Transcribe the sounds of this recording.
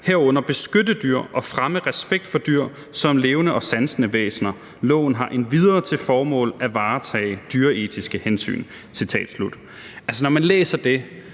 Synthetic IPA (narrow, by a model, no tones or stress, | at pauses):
heɐɔ̽n̰ɐb̥e̝sɡ̥ødəd̥yɐ̰ʔɒ̽fʁaməʁɛsb̥eɡ̥̚d̥fɒ̽d̥yɐ̰ | sɒ̽mle̝ːʊnəʔɒ̽sænsənəʋḛːsnɐ | lɔ̰ːʊn̩ɦɑ̈ʔe̝nʋiðˠɐːt͡sʰe̝lfɒːmɔ̰̽ːlæʋɑ̈ːt͡sʰɛ̰ːɪd̥yɐe̝ːd̥isɡ̥əhensy̰ːn | sit͡sʰɛ̰ːd̥slud̥ | ʔælsənɒmænlḛːsɐd̥e̝